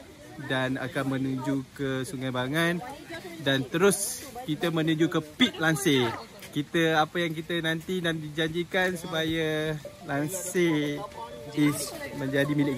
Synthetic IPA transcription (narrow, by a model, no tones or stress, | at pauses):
dana̰kanmə̃nud͡ʒukəsuŋajbaŋandant̪əɾʊskit̪əmənud͡ʒukəpit̪̚lanse | kit̪əapəjaŋk̬it̪ənãnt̪inandid͡ʒaɲd͡ʒikansupajəlanse | ismə̃ɲd͡ʒadimilɪ